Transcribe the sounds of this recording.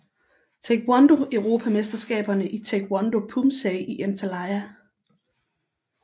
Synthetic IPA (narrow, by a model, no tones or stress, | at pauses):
t͡sʰeɡ̥wɑnd̥o̝ʔøʊʁo̝ːpʰæmesd̥ɐsɡ̥ɛ̰ːb̥ɐnəʔit͡sʰeɡ̥wɑnd̥o̝pʰumsɛɪʔiʔænt͡sʰælɑɪæ